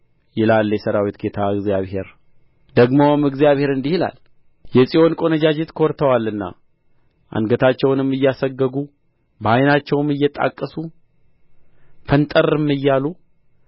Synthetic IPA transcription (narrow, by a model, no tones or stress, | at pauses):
jɪlalːjɛsəɾawit̪ɡet̪ʰaɨɡzijaβhe̞ɾ | d̪əɡmomɨɡzijaβhe̞ɾɨnd̪ihila̰l | jɛsʼiho̞nkʼo̞nəd͡ʒad͡ʒet̪kʰoɾt̪ʰəwalːɨnːa̰ | ʔa̰nɡət̪ʰat͡ʃːɛwnɨmːɨjːasəɡːəɡu | bajnat͡ʃːɛwɨmɨjːɛt̪ʼa̰kʼːəsu | fʰənt̪ʼəɾɨmːɨjːalu